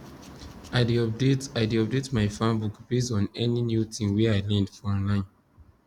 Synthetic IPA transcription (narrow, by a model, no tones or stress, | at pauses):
aɪdiɔp̚detaɪdiɔp̚detmaɪfãnbukb̥esɔ̃nɛninjutʰĩmwɛaɪlɛ̃ndfɔɔ̃nlãɪ̃n